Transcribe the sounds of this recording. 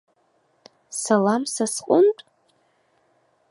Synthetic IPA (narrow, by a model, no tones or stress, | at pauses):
salamsasqʼʊntʼ